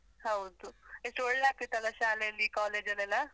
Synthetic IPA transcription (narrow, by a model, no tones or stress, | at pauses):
hɐwd̪uesʈɔɭlaːkit̪ːɐlːɐʃaːlejɐlːikaːleːd͡ʒɐlɛlːɐ